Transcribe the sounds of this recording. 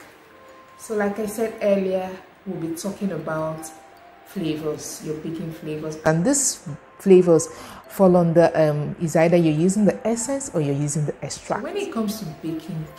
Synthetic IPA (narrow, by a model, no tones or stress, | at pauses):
solaɪkaɪsɛdɛliə | wilbitʰɔkɪ̃ŋəbaʊt | flevəsjɔbikɪ̃ŋflevəsãndis | flevəsfɔlɔ̃ndəʔʌ̃misaɪdəjɔjuzɪ̃ŋdəʔɛsɛ̃nsɔjɔjuzɪ̃ŋdəʔɛstɹ̥a̰kwɛ̃nit̚kʰʌ̃mstubikʰɪ̃ŋ